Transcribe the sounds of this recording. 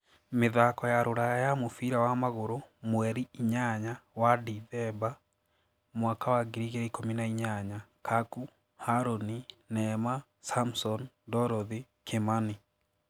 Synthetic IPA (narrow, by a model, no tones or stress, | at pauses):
meðakɔjaɾoɾajajamofiɾawamaɣoɾomwɛɾiiɲaɲawadiðɛba | mwakawaɡiɾiɣeikominaiɲaɲakʰaku | haɾoninɛma | samsɔn | dɔɾɔði | kʰemani